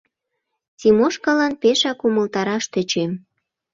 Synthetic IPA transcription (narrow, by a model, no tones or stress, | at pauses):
t͡simoʃkɑlɑnpeʃɑkuməlt̪ɑɾɑʃt̪ə̆t͡ɕem